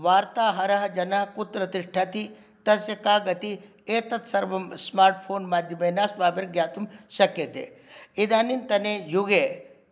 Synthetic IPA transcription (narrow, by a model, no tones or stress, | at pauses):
ʋaːɾt̪aːɦɐɾɐɦɐd͡ʒɐnɐɦɐkut̪ɾɐt̪iʂʈʰɐt̪i | t̪ɐsɐkaːɡɐt̪i | eːt̪ɐt̪sɐɾʋɐmsmaːɾʈ̚pʰoːnmaːd̪ʱjɐmeːnaːsbaːbeɾɡjaːt̪umʃɐkːet̪ḛːid̪aːnint̪ɐnejuɡeː